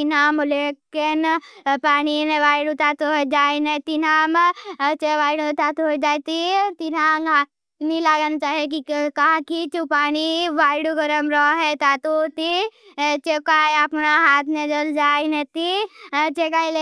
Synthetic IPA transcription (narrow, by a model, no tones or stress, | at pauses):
inaːmʊlekːenpaːnineʋaːjɽut̪aːt̪oed͡ʒaːinẽt̪inaːmt͡ʃeʋaːjɽt̪at̪ud͡ʒaːjt̪it̪inaŋ | nilaːɡant͡ʃaːɦiek̬ikaakit͡ʃupaːniʋaːjɽuɡɐɾəmɾɔɦɛt̪aːt̪ot̪i | t͡ʃekaːjapnaɦaːt̪ʰned͡ʒɐld͡ʒaːjnet̪it͡ʃekaːile